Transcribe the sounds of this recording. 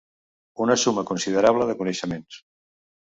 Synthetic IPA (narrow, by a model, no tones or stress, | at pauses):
unəsuməkunsiðəɾaβ̞ləðəkunəʃəmẽns